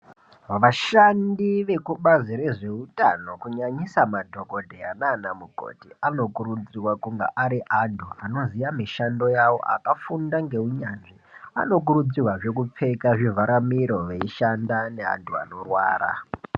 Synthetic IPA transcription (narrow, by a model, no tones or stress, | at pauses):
ʋaʃandiʋe̞kuɓaziɾe̞ʐe̞uta̰no̞kuɲaɲisamadʱo̞ko̞dʱea̰naːnamuɡʱo̰tiano̞kuɾud͡zirwakuŋɡaʔaɾiʔandʰʱuano̞zijamiʃando̞jawo̞̰ʔa̰kafundaŋɡe̞uɲanʐia̰no̞k̬uɾud͡zirwaʐe̞k̬up͡fe̞kaʐivaɾamiɾo̞ʋe̞iʃandanea̰ntua̰no̞rwa̰ːɾa̰